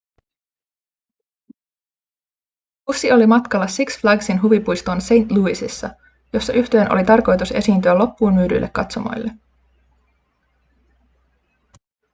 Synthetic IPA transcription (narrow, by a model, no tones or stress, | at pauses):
usːio̞limɑt̪kɑlːɑsiksflæɡsinɦuʋipujst̪unse̞jnt̪luisisːɑ | jo̞sːɑʔyht̪e̞ːnʔolit̪ɑrko̞jt̪use̞̰siːnt̪yælo̞pːuːnmyːdy̰lːe̞̰kːɑt̪somo̰jlːe